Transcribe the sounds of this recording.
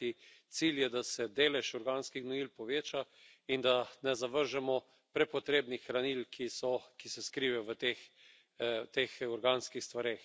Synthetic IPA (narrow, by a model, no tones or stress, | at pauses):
it̪siljɛd̪asɛd̪eːlɛʃɔɾɡaːnskixnɔilpɔʋeːt͡ʃa | ind̪anɛzaʋəɾʒɛmɔ | pɾɛpɔt̪ɾeːbnixɾanilkʰisɔkisɛskɾiːʋɛʋət̪eːx | t̪eːxɔɾɡaːnskixst̪ʋaɾeːx